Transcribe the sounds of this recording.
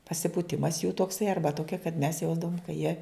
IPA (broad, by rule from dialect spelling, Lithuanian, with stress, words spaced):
pɐsʲɪpuːˈtʲɪmɐs juː toːkˈsɐɪ ˈɐrbɐ ˈtoːkʲɛ kɐt mʲɛs ˈjɛʊzdɐʋoːm kɐ jiɛ